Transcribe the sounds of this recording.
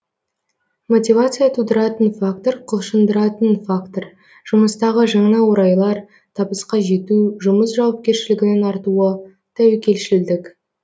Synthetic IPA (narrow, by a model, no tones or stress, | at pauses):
mo̞t̪ʲivat̪sɨjat̪ʰud̪əɾɑt̪ənfak̚t̪o̞ɾqʰʊlˠʃənd̪əɾɑt̪ənfakt̪oɾ | ʒ̥ʊməst̪ɑʁəʒɑɴnɑwoɾɑjlˠɑɾ | t̪ʰɑbəsqɑʒe̞t̪uʒʊməsʒɑwɑp̚kʲe̞ɾʃɪlɪɡʲɪnɪnɑɾt̪uə | t̪ʰæwɪkʲe̞lʃɪld̪ɪk